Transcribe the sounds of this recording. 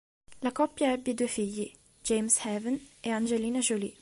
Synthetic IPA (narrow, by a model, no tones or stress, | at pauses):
lakɔpːjaɛbːid̪uːefiʎːi | d͡ʒejmshɛvɛneand͡ʒeliːnaʒolḭ